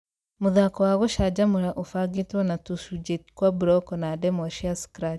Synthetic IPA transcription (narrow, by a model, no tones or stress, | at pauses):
moðakɔwaɣoʃaːd͡ʒamoɾaʔofaɡetwanatusud͡ʒetkwabuɾɔkɔnadɛmɔʃiaskɾat